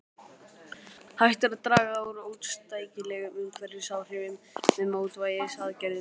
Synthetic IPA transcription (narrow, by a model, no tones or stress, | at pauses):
hajht̪aɾaðt̪ɾaːɣaawɾoːwt̪st̪aːjcɪlɛːɣʏmʏmkʰvɛɾɪɾ̥saːwr̥ɪvɪmː | ɛðmoːwt̪vaːjɪsaðcɛɾðɪ